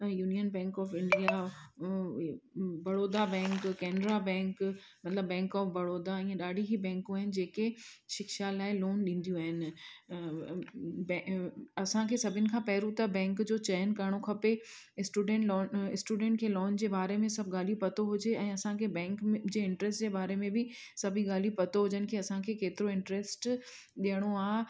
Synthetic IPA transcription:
ɐjuːnijənbɛ̃ːŋkɔːfɪ̃ɳɖija | bɐɽoːd̪abɛ̃ːŋkkɛːnɾabɛ̃ːŋkmɐt̪ləbːɛ̃ːŋkɔːfbɐɽoːd̪aĩːẽɗaːɖʱiɦibɛ̃ːŋkũaːɦɪnɪ̆d͡ʑeːkeʃɪkʃalaːɪloːnɗĩːn̆d̪ijũaːɦɪnɪ̆ | bɐsãkʰeːsɐbʱɪnɪ̆kʰãːpɐɦɪɾũt̪ɐbɛ̃ːŋkd͡ʑoːt͡ɕɛːənkɐɾɽ̃okʰɐpe | ɪsʈuːɖẽʈlɔːnɪsʈuːɖɛ̃ːɳʈ̚kʰeːlɔːnd͡ʑeːbaːɾemẽsɐbʱɠaːlijupɐt̪oɦʊd͡ʑeɛ̃ːɐsãkʰeːbɛ̃ːŋkd͡ʑeːɪ̃ɳʈɾesʈd͡ʑeːbaːɾemẽbɪ | sɐbʱiɠaːlijupɐt̪oɦʊd͡ʑənɪ̆kʰeːɐsãkʰeːkeːt̪ɪɾoɪ̃ɳʈɾesʈ | ɗiəɽ̃oaː

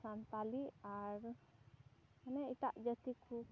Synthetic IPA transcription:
sant̪aliaɾ | manɛiʈaʔd͡ʒət̪ikʰu

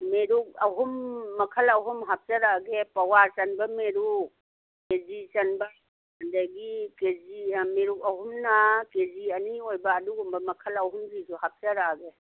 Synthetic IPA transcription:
meɾuk̚aɦumːɐkʰɐlɐɦumɦap̚t͡ʃɐɾaɡepawat͡ʃɐnbɐmeɾu | kezit͡ʃɐnbɐ | andajɡikezimeɾukaɦumnakeziɐniojbɐːduɡumbɐmɐkʰɐlɐɦumzizuhap̚t͡ʃɐɾaɡe

